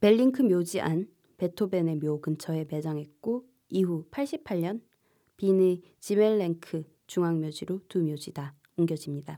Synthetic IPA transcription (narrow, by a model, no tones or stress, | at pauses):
pe̞ʎːiŋkʰɯmjod͡ʑiʔa̰n | pe̞tʰobe̞ne̞mjoɡɯnt͡ɕʰʌe̞me̞d͡ʑaŋɦe̞t̚k͈o | iɦupʰaɭɕ͈ʰipʰaʎːɲʌn | pine | t͡ɕimeɭːeŋkʰɯ | t͡ɕuŋaŋmjod͡ʑiɾotumjod͡ʑida | uŋɡjʌd͡ʑimɲida